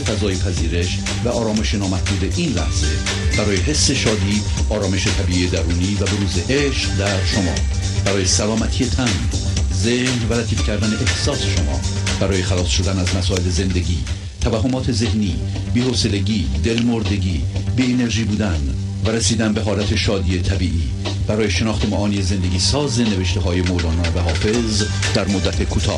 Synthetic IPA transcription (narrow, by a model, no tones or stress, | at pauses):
fæzɒːjepʰæziːɾe̞ʃ | væɒːɾɒːme̞ʃenɒːmæhd̪uːd̪e̞ʔiːnlæhz̥e̞ | b̥æɾɒːje̞ɦe̞sːe̞ʃɒːd̪iː | ɒːɾɒːme̞ʃe̞t̪ʰæbiːʔiːed̪æɾuːniːvæbe̞ɾuːzeʔeʃqd̪æɾʃomɒ̰ː | b̥æɾɒːje̞sælɒːmæt̪ʰiːje̞t̪ʰæn | zehnvælæt̪ʰiːfcʰæɾd̪æne̞ʔehsɒːse̞ʃomɒ̰ː | b̥æɾɒːje̞xælɒːsʃo̞d̪ænæzmæsɒːe̞le̞ze̞nd̪e̞ɟiː | t̪ʰævæɦːo̞mɒːt̪ʰe̞ze̞hniː | biːhoːse̞le̞ɟiːd̪e̞lmoɾd̪e̞ɟiː | biːene̞ɾʒiːbuːd̪æn | væɾesiːd̪ænbe̞ɦɒːlæt̪ʰe̞ʃɒːd̪iːe̞t̪ʰæbiːʔiː | b̥æɾɒːjeʃe̞nɒːxt̪e̞mɒʔɒːnijeze̞nd̪e̞ɡiːsɒːze̞ne̞veʃt̪e̞ɦɒːje̞molɒːnɒːvæɦɒːfe̞z | d̪æɾmod̪ːæt̪ʰekʰuːt̪ʰɒ̰ː